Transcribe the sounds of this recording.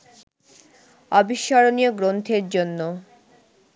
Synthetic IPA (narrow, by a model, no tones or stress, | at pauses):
ɔbiʃːɔɾonijoɡɾont̪ʰeɾd͡ʑonːo